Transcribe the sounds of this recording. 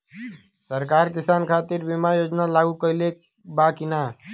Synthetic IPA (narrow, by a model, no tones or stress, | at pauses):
səɾkaɾkisankʰat̪iɾbimajod͡ʒnalaɡukəɪle | bakina